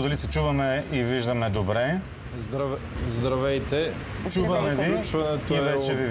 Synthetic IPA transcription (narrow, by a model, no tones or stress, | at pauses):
d̪ɐlisɛt͡ʃuvɐmɛiviʒd̪ɐmɛd̪obɾɛ | zd̪ɾɐ | zd̪ɾɐvɛjt̪ɛ | t͡ʃuvɐmɛvit͡ʃvɐnɛt̪ivɛt͡ʃɛvi